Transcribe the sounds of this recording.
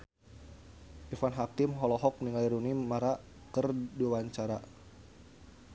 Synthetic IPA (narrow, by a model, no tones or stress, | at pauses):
ʔifanɦakimɦɔlɔɦɔk̚niŋaiɾunimaɾa | kərduawaɲt͡ʃaɾa